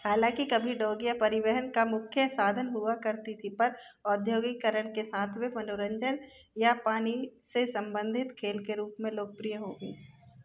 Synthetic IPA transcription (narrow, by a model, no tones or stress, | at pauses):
haːlãːkikɐbʱiɖoːɡjapɐɾɪʋəɦənkamʊkʰjəsaːd̪ʱənɦuakɐɾt̪it̪ʰipɐɾɔːd̪ʱjoːɡikəɾəɽ̃kesaːt̪ʰʋemɐnoɾə̃ɲd͡ʒən | japaːnisesɐ̃mbə̃nd̪ʱɪt̪kʰeːlkeɾuːpmẽloːɡ̚pɾijəɦoːɡḛː